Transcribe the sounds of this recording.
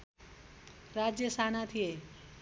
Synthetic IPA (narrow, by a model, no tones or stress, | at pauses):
rad͡zjʌsanat̪ʰije